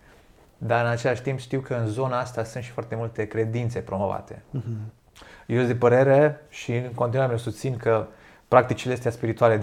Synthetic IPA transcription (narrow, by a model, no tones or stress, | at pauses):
d̪aɾɨnat͡ʃe̞laʃt̪impʃt̪iwkəɨnzo̞naast̪asɨnt̪ʃifoart̪e̞mult̪e̞kɾe̞d̪int̪se̞pɾo̞mo̞va̰t̪e̞ | jeosd̪epəɾe̞ɾe̞ʃiɨŋkont̪inaɾemesust̪sinkə | pɾak̚t̪it͡ʃileest̪easpiɾit̪uale